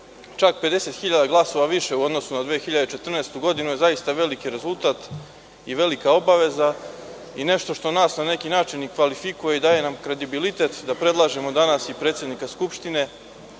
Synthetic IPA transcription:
t͡ʃak̚pe̞d̪e̞se̞t̪xiʎad̪aɡlˠaso̞ʋaʋiʃe̞uo̞d̪no̞sunad̪ʋeːxiʎad̪et͡ʃe̞t̪r̩nest̪uɡo̞d̪inujezajist̪aʋe̞likiɾe̞zulˠt̪aːt̪ | iʋe̞likao̞baʋe̞za | ine̞ʃt̪o̞ʃt̪o̞naːsnane̞kinaːt͡ʃinikʋalifikuje̞id̪aːje̞namkɾe̞d̪ibilit̪e̞t̪d̪apɾe̞d̪lˠaʒe̞mo̞d̪anasipɾe̞ːt̪sje̞d̪nikaskupʃt̪ine̞

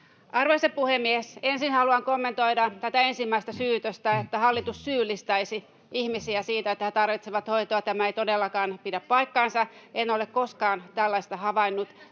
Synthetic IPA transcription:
ʔɑrʋeseppuhemːiesensinhɑluɑŋkomːent̪oidɑt̪æt̪æensimːæist̪æsyːt̪øst̪æet̪ːæhɑlːit̪ussyːlːˑist̪ɑisi | ʔihmisiæsiːt̪æet̪ːæhet̪ɑrʋit̪seʋɑt̪hoit̪oɑt̪æmæeit̪odelːɑkɑːnpidæppɑikːɑnsɑenolekkoskɑːnt̪ælːɑist̪ɑhɑʋɑinːut̪

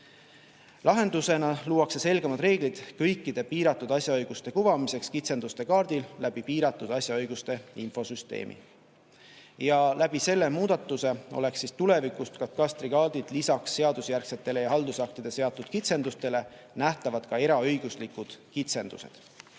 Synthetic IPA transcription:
lɑɦe̞nd̪̥use̞nɑluːwɑkse̞se̞lɡ̥emɑd̪re̞ːɡ̥lid̪̥kɤjkːˑid̪̥e̞piːɾɑt̪ːˑud̪̥ɑsʲjɑɤjɡ̥ust̪e̞kuvɑmise̞kskit̪se̞nd̪ust̪e̞kɑːrd̪̥ilːæb̥ipiːɾɑt̪ːˑud̪̥ɑsʲjɑɤjɡ̥ust̪e̞info̞syst̪ḛːmʔḭ | jɑlæbise̞lːe̞muːd̪̥ɑt̪ːˑuse̞o̞̰le̞ksːist̪ule̞vikust̪kɑt̪kɑst̪ɾiɡ̥ɑːd̪̥id̪̥lisɑksːe̞ɑd̪̥usjærkse̞t̪ːˑe̞lejɑɦɑld̪usɑk̚t̪id̪̥e̞se̞ɑt̪ːˑud̪̥kit̪se̞nd̪ust̪e̞le̞ | næht̪ɑvɑd̪̥kɑe̞ɾɑɤjɡ̥uslikud̪̥kit̪se̞nd̪̥ṵse̞̰d̪̥

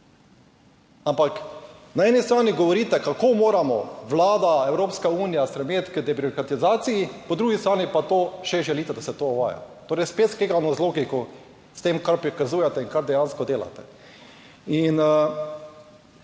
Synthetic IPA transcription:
ampaknaɛːnist̪ɾaːniɡɔʋɔɾiːt̪ɛkakoːmoːɾamɔʋlaːd̪aɛwɾoːpskauːnijasp̪ɾɛmeːt̪kəd̪ɛbɾɔkɾat̪izaːt̪sijipɔd̪ɾuːɡist̪ɾaːnipat̪oːʃɛʒɛliːt̪ɛd̪asɛt̪oːɔʋa̰ːja̰t̪oːɾɛɪspet̪skeɡanɔzloːɡikɔ | st̪eːmkaɾpɾikazuːjɛt̪ɛiŋkaɾd̪ɛjaːnskɔd̪eːla̰t̪ɛ̥ | inə

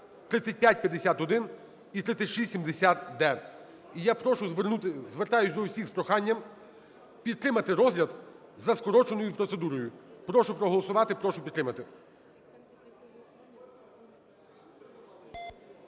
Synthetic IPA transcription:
t̪ɾɪt̪sʲɐt̚ʲpʲjat̚ʲpʲjɐd̪esʲat̪ɔd̪ɪn | it̪ɾɪt̪sʲɐtʲʃisʲsʲimd̪esʲat̪d̪ɛ | ijapɾɔʃʊʋ̪ut̪ɪzʋeɾt̪ɑjʊsʲd̪ɔwsʲixspɾɔxɑnʲːɐm | pʲid̪̚t̪ɾɪmɐt̪ɪɾɔzʲlʲɐd̪zɐskɔɾɔt͡ʃenɔjʊpɾɔt̪se̞d̪uɾɔjʊpɾɔʃʊpɾɔɦɔlˠɔsʊʋɑt̪ɪpɾɔʃʊpʲid̪t̪ːɾɪmɐt̪ɪ

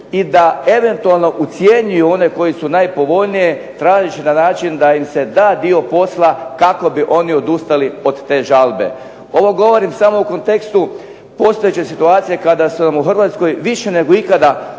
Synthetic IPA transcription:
id̪ae̞ʋe̞nt̪ualˠno̞ʔut̪sje̞ɲujuo̞ne̞ko̞jisunajpo̞ʋo̞ʎnije̞t̪ɾaːʒit͡ɕinanaːt͡ʃind̪aimse̞d̪aːd̪io̞po̞slˠakako̞biʔo̞nio̞d̪ust̪alio̞d̪t̪e̞ːʒalˠbe̞̰ | o̞ʋo̞ɡo̞ʋo̞ɾimsamo̞uko̞nt̪e̞kst̪u | po̞st̪oet͡ɕesit̪uaːt̪sijekad̪asunamuxr̩ʋaːt̪sko̞jʋiʃe̞ne̞ɡo̞ikad̪a

